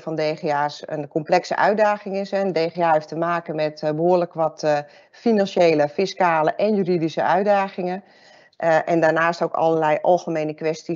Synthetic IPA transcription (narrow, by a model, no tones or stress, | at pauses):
fɔndeːxeːaːsə̰nkomplɛksə̰ʔœɥ̚daːxɪŋɪsɛndeːxeaːɦeftəmaːkənmɛtbəɦoərləkʋɔt | finanʃeːləfiskaːləʔɛnjyridisəœɥdaːxɪŋən | ʔɛndaːnaːstowkɑ̰lərlɛjʔɑ̰lˠɣəmeːnəkʋɛsti